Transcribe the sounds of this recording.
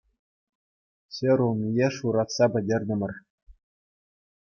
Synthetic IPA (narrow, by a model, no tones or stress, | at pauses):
ɕʲĕɾulˠmʲijeʂuɾɑt̪sɑpʲɘ̆dʲerʲd̪ʲɘ̆mʲɘ̆rʲ